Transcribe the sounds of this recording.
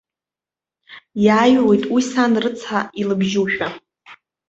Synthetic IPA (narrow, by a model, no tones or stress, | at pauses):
jaːjwe̞jtʼwisanrɨt͡sʰailɨbʒuʃᶣa